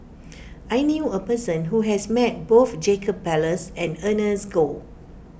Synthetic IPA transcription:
ʔajnjuəpəsə̃nɦuɦɛsmɛt̚boθd͡ʒekəb̚pɛləsɛ̃nənəsɡo

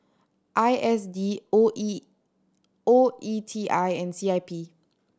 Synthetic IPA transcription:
ʔajɛsdio | oʔitʰiʔajɛ̃nsiajpʰi

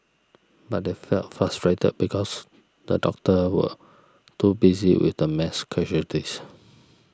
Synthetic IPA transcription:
bat̚defɛltfɹastɹetə̰d̚bikʰɔs | də̰dɔ̰k̚təwə̰ | tubizḭwḭθdəmɛskʰɛʒətis

